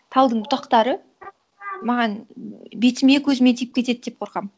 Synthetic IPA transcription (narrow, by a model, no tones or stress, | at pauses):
t̪ʰɑlˠd̪əɴbʊt̪ɑqt̪ɑɾə | mɑʁɑnbe̞t̪ɪme̞kʲʰɵzɪme̞t̪ʰijɪp̚kʲe̞t̪e̞d̪d̪e̞p̚qʰo̞ɾqɑm